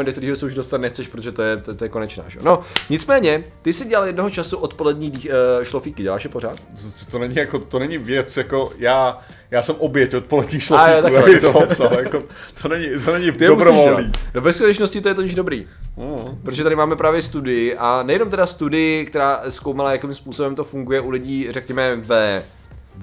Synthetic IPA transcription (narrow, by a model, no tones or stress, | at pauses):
ɛndok̚t̪ɛɾiːɦosɛuʒdost̪anɛxt͡sɛʃpɾot̪oʒɛt̪ojɛt̪t̪ojɛko̞nɛt͡ʃna̰ːʒɛ̰ono̞ɲɪt͡smɛːɲɛt̪ɪsɪɟɛlaljɛdnoɦot͡ʃasuʔot̪po̞lɛdɲiːdiʃlofiːkɪɟɛla̰ːʃɦɛpoɾaːt̪t̪onɛɲɪjakot̪onɛɲɪvjɛt͡sjakojaː | jaːsɛmʔobjɛcot̪̚polɛdɲiːʃloajot̪ak̪at̪opsaljako | t̪ʰonɛɲɪt̪onɛɲɪɪɛomubsɾoivolɛaniːnovɛskut̪ɛt͡ʃnoscɪt̪ojɛt̪oɲɪʒdobɾḭː | n̩pɾot̪oʒɛt̪aɾɪmaːmɛpɾaːvjɛst̪udɪjɪʔanɛjɛno̞mt̪ɛdast̪udɪjɪk̚t̪ɛɾaːskowmalajakimspuːsobɛmt̪o̞fuŋɡujɛʔulɪɟiːrɛkɲɛmɛvɛ